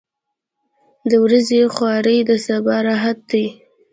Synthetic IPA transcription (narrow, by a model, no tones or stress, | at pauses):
d̪əwɾazexwɑɾəjd̪əsabɑɾɑɦat̪̚d̪əj